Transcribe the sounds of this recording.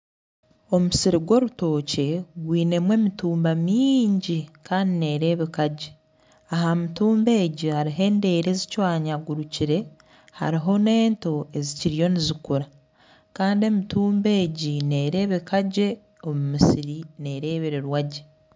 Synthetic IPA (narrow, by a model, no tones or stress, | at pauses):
o̞musiɾiɡwo̞ɾuto̞ːce̞ɡwiːne̞mwe̞ːmituːmbamiːɲɟikaːndine̞ːɾe̞ːβikaɟe | aɦamituːmbe̞ːɟihaɾiɦe̞ːnde̞ːɾe̞zicwaːɲaɡuɾuciɾe̞ | ha̰ɾiɦo̞ne̞ːnto̞e̞ziciɾijo̞nizikuɾa | kaːndie̞mituːmbe̞ːɟine̞ːɾe̞ːβikaɟe̞ | o̞mumisiɾine̞ːɾe̞ːβeɾeɾwaɟe